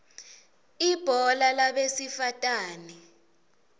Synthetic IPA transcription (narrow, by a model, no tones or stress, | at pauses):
ib̥ʱɔlalaɓesifatʼaːni